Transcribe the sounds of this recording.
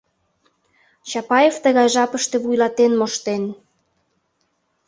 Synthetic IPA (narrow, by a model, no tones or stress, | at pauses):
t͡ɕɑpɑeft̪əɣɑjʒɑpəʃt̪ĕβujlɑt̪enmoʃt̪en